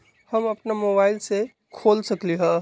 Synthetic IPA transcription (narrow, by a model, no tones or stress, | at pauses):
hɐmɐpnamoːbaːɪlse | kʰoːlsɐkliɦɛ̃ː